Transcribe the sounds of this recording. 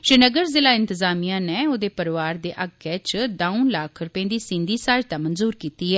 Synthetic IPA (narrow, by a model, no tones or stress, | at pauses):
ʃɪnəɡəɾzɪlaːɪ̃nt̪əzaːmijãːneːoːd̪eːpəɾʋaːɾd̪eːʔaɡɛːt͡ʃd̪ãːũnlaːkʰɾʊpẽːd̪iːsɪ̃nd̪iːsaːd͡ʒt̪aːmənzuːɾkiːt̪iːɦɛː